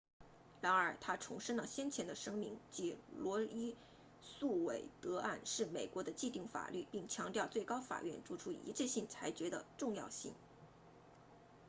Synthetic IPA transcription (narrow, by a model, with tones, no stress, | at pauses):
ɻa˧˥nə˞˨˩t̪ʰa˥ʈ͡ʂʰʊ˧˥ŋʂə˥nlə˨ɕjɛ˥nt͡ɕʰjɛ˧˥nd̪ə˧ʂɤ˥ŋmi˧˥ŋt͡ɕi˧˥lwɔ˧˥i˥ | su˥˩we˨˩ɪt̪ɤ˧˥a˥˧nʂɻ̩˥˩me˨˩ɪkwɔ˧˥d̪ə˧t͡ɕi˥˧t̪i˥˩ŋfa̰˨˩ly˥˩pi˥˩ŋt͡ɕʰjɑ˧˥ŋt̪jɑ˥˧ʊt͡swe˥˩ɪkɑ˥ʊfa̰˨˩ɥɛ̰˥˧˩nʈ͡ʂu˥˩ʈ͡ʂʰu˥ḭ˧˥ʈ͡ʂɛ˥˧ɕi˥˩nt͡sʰa˧˥ɪt͡ɕɥɛ˧˥d̪ə̰˧ʈ͡ʂʊ˥˧ŋjɑ˥˧ʊɕḭ˥˩ŋ